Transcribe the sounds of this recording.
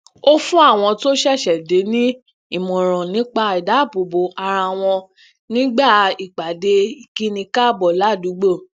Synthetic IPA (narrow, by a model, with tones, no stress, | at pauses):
o˦fũ˦a˦˨w̃ɔ̃˧to˦ʃɛ˦˨ʃɛ˨de˨˦nĩ˦ | i˦˨mũ˨ɾ̃ɔ̃˨nĩ˨˦k͡pa˧i˨da˨˦˨bo˨bo˨˦a˧ɾa˧w̃ɔ̃˧ | nĩ˦ɡ͡ba˦˨i˨k͡pa˨de˧i˨ki˦nĩ˧ka˦˨bɔ˨la˨˦˨du˨˦ɡ͡bo˦˨